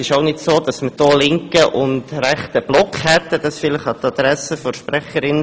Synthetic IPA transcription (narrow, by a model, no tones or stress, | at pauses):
ɪʃoʊnɪdsoːd̥ɑsməd̥ɔːlɪŋkəʔʊndɾɛχt̪əb̥lɔkχhɛtːəd̥ɑsfɪləχɑt̪ɑd̥̪ɾɛsəfɔʃpɾɛχəɾɪn